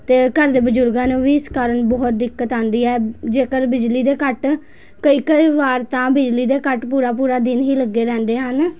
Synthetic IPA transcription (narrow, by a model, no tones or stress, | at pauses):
t̪eːkəɾd̪eːbəd͡ʒʊɾɡãːnũːʋiːɪskaːɾəɳbɔːt̪̚d̪ɪkːət̪ãːnd̪iːɛːd͡ʒeːkəɾbɪd͡ʒliːd̪eːkəʈ | kəiːkəʋaːɾt̪ãːbɪd͡ʒliːd̪eːkəʈpuːɾaːpuːɾaːd̪ɪnɦiːləɡːeːɾɛ̃ːnd̪eːɦən